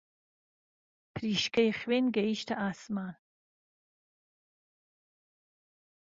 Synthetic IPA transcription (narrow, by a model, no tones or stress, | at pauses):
pʰɾiːʃkʰɐjχweːnɡɐiʃt̪ʰɐʔaːsmaːn